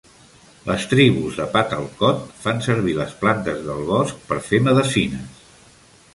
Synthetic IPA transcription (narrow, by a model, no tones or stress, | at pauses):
ləst̪ɾiβuzðəpat̪əlˠkɔt̪fansəɾβ̞iləsplant̪əzðəlˠβɔsk̚pəɾfeməðəsinəs